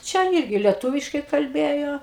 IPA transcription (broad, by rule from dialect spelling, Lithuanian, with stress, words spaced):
ˈt͡ʃʲɛ ˈɪrʲɡʲɪ lʲiɛˈtʊʋʲɪʃkɐɪ kɐlʲˈbʲeːjoː